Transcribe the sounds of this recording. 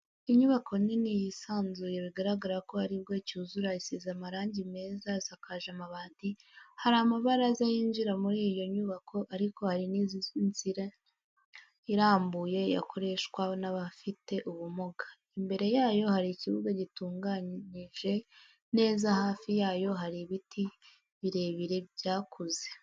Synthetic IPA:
iɲuβako̞ninijisaːnzuje̞βiɡaɾaɡaɾako̞haɾib̚ɡecuːzuɾaisizamaɾaːɲɟime̞ːzazakaʒamaβaːndihaɾamaβaɾazajiːnʒiɾamuɾiːjo̞ɲuβakʰo̞ʔaɾiko̞haɾinizint͡siɾa | iɾaːmbuje̞ja̰kʰo̞ɾe̞ʃkwanaβafite̞ʔuβumoɡḁ | imbe̞ɾe̞jaːjo̞haɾiciβuɡaɟituːŋɡaɲiʒe̞ | ne̞ːzahaːfijaːjo̞ɦaɾiβitʰi | βiɾe̞βiɾe̞bjaːkʰoze̞

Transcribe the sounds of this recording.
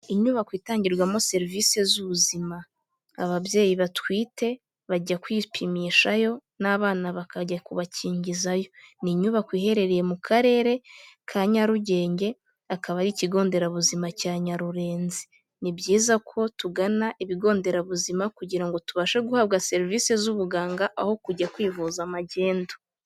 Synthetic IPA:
iɲuβakwiːtaːɲɟiɾɡwamo̞se̞ɾviːse̞zuβuzima | aβabje̞ːjiβatwiːte̞ | βaɟakwiːpʰimiʃajo̞ | naβaːnaβakaɟakuβaciːɲɟizajo̞niɲuβakwiːhe̞ɾe̞ɾeje̞mukʰaɾe̞ːɾe̞kʰaɲaɾuɟe̞ːɲɟe̞ | akaβaɾiciɡo̞ːnde̞ɾaβuzimacaːɲaɾuɾe̞ːnzi | nibɟiːzakʰo̞tuɡanaʔiβiɡo̞ːnde̞ɾaβuzimakuɟiɾaŋɡo̞tuβaʃeɡuhaβɡase̞ɾivisezuβuɡaːŋɡaʔaho̞kuɟakwiːvuzamaɟe̞ːndo

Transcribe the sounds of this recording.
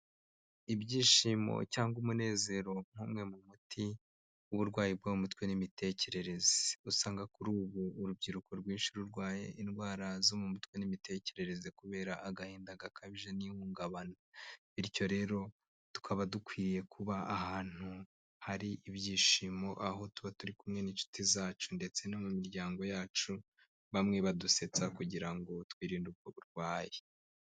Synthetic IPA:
ibɟiːʃimo̰caːŋɡumune̞ːze̞ɾo̞ŋ̥huːmŋe̞mumutʰi | uβuɾɡwaːjib̚ɡoumutwenimitʰe̞ce̞ɾe̞ɾe̞ze̥usaːŋɡakuɾuːβuːɾubɟiɾukoɾɡwiːnʃiɾuɾɡwaːjḛʔinɡwaːɾazomumutwenimite̞ːce̞ɾe̞ɾe̞zekuβe̞ːɾaʔaɡaheːndaɡakʰaβiʒe̞nihuːŋɡaβanoβiɾco̞ɾe̞ɾo̞ | tu̥kʰaβadukwiːje̞kʰuβaːhaːn̥hu | haɾiʔiβɟiːʃimo̞ʔaɦo̞tuβatuɾikumŋe̞niːnt͡ʃu̥tʰizaːt͡ʃunde̞t͡se̞nomumiɾɟaːŋɡo̞jaːt͡ʃu | βamŋe̞βaduse̞t͡sakuɟiɾaŋɡo̞twiːɾiːnduɡkwoβuɾɡwaːje

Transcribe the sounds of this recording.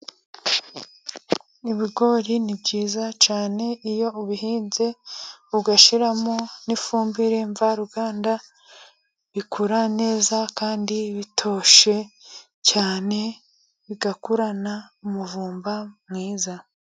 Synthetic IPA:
iβiɡo̞ːɾinibɟiːzat͡ʃaːne̞ijo̞uβihiːnzeβuɡaʃiɾamonifuːmbiɾe̞ɱvaɾuɡaːnda | βikʰuɾane̞ːzakaːndiβitʰo̞ːʃe̞ | caːne̞ | βiɡakuɾana | umuvuːmbamŋiːza

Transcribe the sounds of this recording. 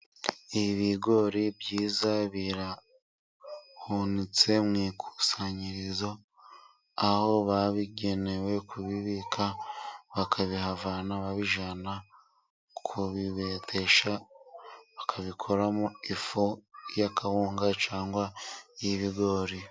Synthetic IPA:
iβiɡo̞ɾibjiːzaβiɾa | hunit͡se̞mŋiːkʰu̥saɲiɾizo̞ | aho̞βaβiɡe̞ne̞we̞kʰuβiβikʰaβakʰaβihavanaβaβiʒana | kʰuβiβe̞tʰe̞ʃa | βakʰaβikʰo̞ɾamoifojakʰahuːŋɡat͡ʃaːŋɡwaiβiɡo̞ːɾi

